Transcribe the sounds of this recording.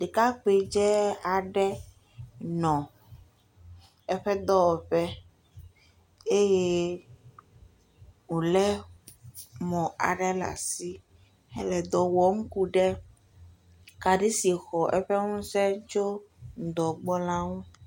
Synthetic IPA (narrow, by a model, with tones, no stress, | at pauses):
ɖe˨ka˦k͡pe˨d͡ʒɛ˦a˨ɖɛ˦ | nɔ̃˨ | ɛ˦ɸɛ˦d̪ɔ˦ɔ˨ɸɛ˦ | e˦je˦ | ŋũ˨lɛ˦ | mɔ̃˨a̰˨ɖɛ˦la̰˨si˦ | ɛ˦lɛ˨d̪ɔ˨wɔ˨m̩˦ku˦ɖɛ˦ | ka˨ɖi˦si˨xɔ˨ʔɛ̰˦ɸɛ˦ŋũ˦sɛ˦t͡ʃo˦ŋ̩˨d̪ɔ˨ɡ͡bɔ˦lã˦ŋũ˦